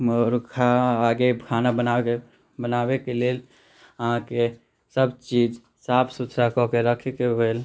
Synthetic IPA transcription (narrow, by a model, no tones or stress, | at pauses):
mɔɾkʰaːɡekʰanabəna | bənaːbekeleːl | əɦãke | səbt͡ʃid͡ʒ | sapʰsut̪ʰɾakɔkeɾəkʰekeɦel